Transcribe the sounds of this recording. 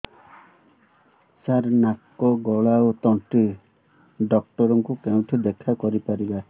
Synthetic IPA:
saɾnakːɔɡɔɭaot̪ɔɳʈi | ɖɔk̚ʈɔɾɔŋkukeũʈʰid̪ekʰakɔɾipaɾiba

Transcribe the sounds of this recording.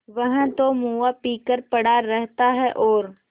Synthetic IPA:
ʋɐɦə̃t̪omuːapiːkəɾpɐɽaːɛɦt̪aɦɛʔɔːɾ

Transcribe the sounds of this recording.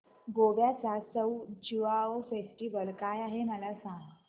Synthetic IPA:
ɡobjat͡sasəwd͡ʑuʋaofesʈiʋəlkajaɦeməlasãŋɡ

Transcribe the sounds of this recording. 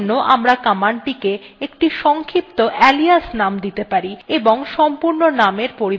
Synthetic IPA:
nːoʔamɾakamaɳʈike | ekʈiʃɔŋkʰip̚t̪oʔɛliasnamd̪it̪epaɾieboŋʃɔmpuɾnonameɾpoɾi

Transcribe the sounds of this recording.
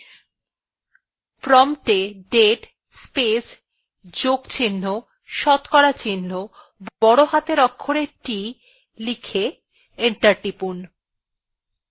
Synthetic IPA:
pɾɔmʈeɖeʈ | spes | d͡ʑokt͡ɕinːo | ʃɔt̪kɔɽat͡ɕinːo | bɔɽoɦat̪eɾɔkʰːoɽeʈi | likʰe | eɳʈaɾʈipun

